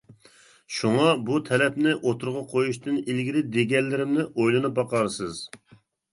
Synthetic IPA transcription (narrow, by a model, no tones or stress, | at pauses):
ʃuŋɑbut̪ʰɛlɛpnɪʔot̪ʰuɾʁɑqʰojuʃt̪ɨnilɡʲiɾɪd̪eɡʲɛllːɪɾɪmnɪʔojlˠɨnɨp̚bɑqɑɾsɨz̥